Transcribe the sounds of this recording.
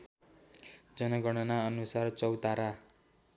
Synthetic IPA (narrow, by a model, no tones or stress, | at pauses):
d͡zʌnʌɡʌɽ̃ʌnaʌnusart͡sʌwt̪aɾa